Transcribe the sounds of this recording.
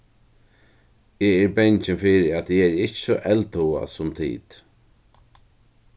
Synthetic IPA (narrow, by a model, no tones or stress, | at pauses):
ɛːɛɹbɛɲt͡ʃɪnfɪːɾɪæt̪jɪɛɾɪt͡ʃsɔʔɛlt̪ua̰sʊmt̪ʰḭːt̪